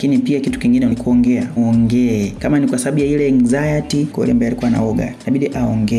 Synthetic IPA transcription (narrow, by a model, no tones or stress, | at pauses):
kinipiakitu̥kiŋɡinɛlikuɔŋɡɛaɔŋɡɛɛkamanikwasaaɓujailɛŋzajatikwɛ̰lɛmbajalikuwana̰ɔɡa̰naɓiɗiʔaɔŋɡɛ